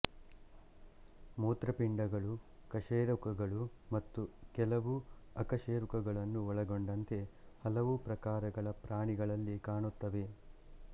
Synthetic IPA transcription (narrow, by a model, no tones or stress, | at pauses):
muːt̪ɾɐpiɳɖɐɡɐɭukɐʂeːɾukɐɡɐɭumɐt̪ːukɛlɐʋuɐkɐʂeːɾukɐɡɐɭɐnːuɔɭɐɡoɳɖɐnt̪e̞hɐlɐʋupɾɐkaːɾɐɡɐɭɐpɾaːɳiɡɐɭɐlːikaːɳut̪ːɐʋe̞